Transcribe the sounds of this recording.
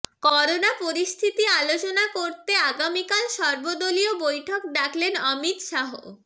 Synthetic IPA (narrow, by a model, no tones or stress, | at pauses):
kɔɾonapoɾist̪ʰit̪ialot͡ɕonakoɾt̪eaɡamikalʃɔɾbod̪oliobojʈʰokɖ̪akʰlenɔmit̪ʃaɦo̰